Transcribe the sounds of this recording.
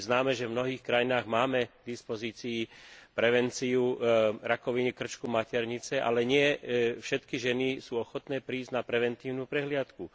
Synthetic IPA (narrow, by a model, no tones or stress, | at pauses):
znaːmɛʒɛvmnɔɦiːxkɾajinaːɣmaːmɛɡd̪ispɔziːt͡siːpɾɛʋɛnt͡siuɾakɔʋiɲikr̩t͡ʃkumacɛɾɲit͡sɛʔa̰lɛɲɪɛfʃɛt̪kiʒɛnisuːɔxɔt̪nɛːpɾiːzɟnapɾɛʋɛnt̪iːʊnuːpɾɛɦlɪat̪ku